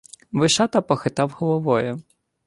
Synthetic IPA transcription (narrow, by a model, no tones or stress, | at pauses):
ʋɪʃɑt̪ɐpɔxɪt̪ɑwhɔlˠɔʋɔjʊ